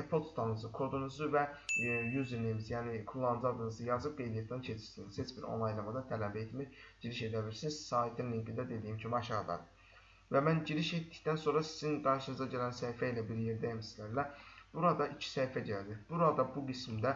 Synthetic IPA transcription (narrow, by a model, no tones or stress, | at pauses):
epʰolˠtst̪ʰanɯzɯkʰo̞d̪unuzuvɛjyziɾnemizjaːnikʰulˠːanɯzad̪ɯnɯzɯjazɯk̚belʲijet̪ʰant͡ʃʰet͡ʃ̪ʰi̥ʃsiniz̥het͡ʃbiɾo̞̰nˠajlˠamad̪at̪ʰɛlæbɛit̪miɟ̥iɾiʃed̪ɛbilʲiɾsiniz̥saːit̪ʰːinliɲɟind̪ɛd̪e̞d̪ijimcʰymaʃalˠa̰ɾɯ | vɛmænɟiɾiʃet̪ːi̥ct̪ænso̞nɾasi̥z̥inɡaɾʃɯnɯzaɟelʲænsæjfɛilʲɛbiɾjeɾd̪ɛmisilæɾlʲæb̥uɾad̪aʔicʰi̥sɛjfɛɟeled̪iɾb̥uɾad̪abuɡismd̪ɛ